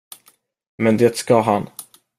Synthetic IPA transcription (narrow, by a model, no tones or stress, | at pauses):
mɛnd̪eːt̪skaɦan